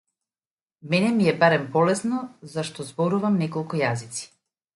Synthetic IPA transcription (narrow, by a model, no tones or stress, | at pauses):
mɛnɛmiɛbaɾɛmpɔlɛsnɔzaʃt̪ɔzbɔɾuvamnɛkɔlˠkujazit̪si̥